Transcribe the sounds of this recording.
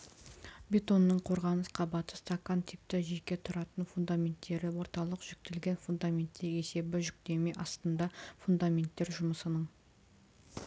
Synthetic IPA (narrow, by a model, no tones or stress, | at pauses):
bʲe̞t̪o̞nːəɴqʰo̞ɾʁɑnəsqʰɑbɑt̪əst̪akːant̪ʰɪp̚t̪ɪʒekʲːe̞t̪ʰʊɾɑt̪ənfund̪amʲe̞nt̪ːe̞ɾɪwo̞ɾt̪ɑlˠəqʒ̥ʏk̚t̪ɪlɡʲe̞nfund̪amʲe̞nt̪ːeɾe̞se̞bɪʒʏk̚t̪e̞me̞ʔɑst̪ənd̪ɑfund̪amʲe̞nt̪ːe̞ɾʒʊməsənəɴ